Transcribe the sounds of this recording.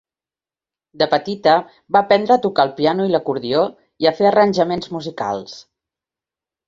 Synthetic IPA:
d̪əpət̪it̪ə | βapɛnd̪ɾəːt̪ukalˠpianuiləkuɾðio | iəfeərənʲʒəmenzmuzika̰lˠs

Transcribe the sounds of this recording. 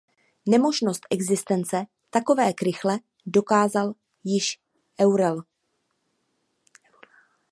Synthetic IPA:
nɛmo̞ʒno̞st̪ʔɛɡzɪst̪ɛnt͡sɛ | t̪ako̞vɛːkɾɪxlɛ | do̞kaːzal | jɪʃ | ʔɛwɾɛl

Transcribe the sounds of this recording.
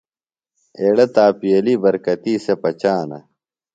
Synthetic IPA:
eːɽɐt̪aːpijɐliːbɐɾkɐt̪iːsepɐt͡ɕaːnɐ̰

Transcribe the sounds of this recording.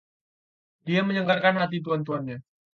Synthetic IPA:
d̥iaməɲəŋɡarkanɦat̪̬it̪̬uant̪̬uɦanɲa

